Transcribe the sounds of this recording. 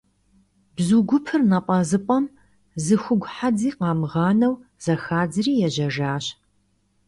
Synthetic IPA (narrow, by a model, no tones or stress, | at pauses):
bzuɡʷʊpʰɨrnɐqʷʼɐzɨpʼɐm | zɨxʷʊɡʷħad͡ziːqɑːmʁɑːnɐwz̥ɐxaːd͡zɨriːjɛʑɐʒaːɕ